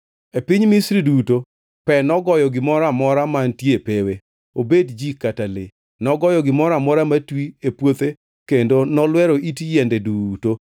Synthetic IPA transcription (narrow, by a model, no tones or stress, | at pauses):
epɪɲmisɾiduto | pɛnɔɡɔjɔɡɪmɔɾamɔɾamantjepewe | obedd͡ʒikatale | nɔɡɔjɔɡɪmɔɾamɔɾamatwiepwot̪e | kendonɔlwɛɾoʔitjɛndeduto